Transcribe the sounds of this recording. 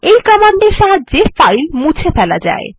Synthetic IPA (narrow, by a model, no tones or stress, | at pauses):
ejkɔmaɳɖeɾʃaɦad͡ʑːefajlmũt͡ɕʰefɛla̰d͡ʑa̰e